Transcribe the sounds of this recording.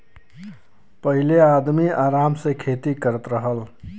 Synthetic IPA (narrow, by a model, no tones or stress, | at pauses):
pəɦilead̪miaɾamsẽkʰet̪ikəɾət̪ɾəɦəl